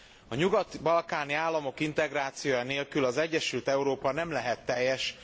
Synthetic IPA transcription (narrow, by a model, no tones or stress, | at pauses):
ɒɲuɡɒt̪bɒlkaːniaːlːɒmo̞kint̪ɛɡraːt̪sijoːjaneːlkylɒzɛɟːɛʃylt̪ɛuɾoːpɒnɛmlɛɦɛt̪ːɛjːɛʃ